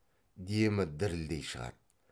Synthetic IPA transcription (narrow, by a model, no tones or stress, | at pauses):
d̪emɪd̪ɪɾɪld̪ejʃəʁɑ̰t̪̚